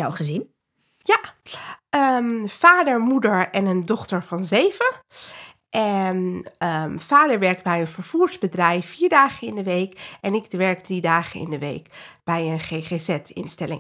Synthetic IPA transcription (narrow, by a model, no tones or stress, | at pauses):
jawχəzin | ja | əmfaːdəɹmudəɹɛnəndɔχtəɹvɑnzejvə | ʔɛnəfaːdəɹʋɛɹk̚bɛjənvəɹv̥uːɹzbədrɛjfiːɹdaːχənɪndəʋejkɛnɪɡʋɛɹk̚dridaːχənɪ̰ndəʋḛjkb̥ɛjənχeːχezɛtɪ̰nstɛlɪ̰ŋ